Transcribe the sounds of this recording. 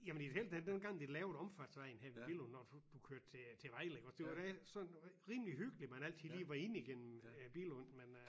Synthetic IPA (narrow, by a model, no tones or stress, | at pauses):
jæmənd̥idhel̰d̥æd̥enɡ̥ɑ̈ŋ̰d̥elɛːʊðˠɒ̽mfæd̥sʋɑɪn̩ɦæɐʋebilɔnːɒd̥ud̥ukʰøɐd̥̚t͡sʰe̝t͡sʰe̝ʋɑɪleɡ̥ɒsd̥e̝ʋɑd̥æsɒ̽nʁiːmliɦyɡ̥əlimænæl̰t͡sʰiðˠliːʋɑ̈e̝niɡ̥en̰m̩b̥ḭːlɔnmen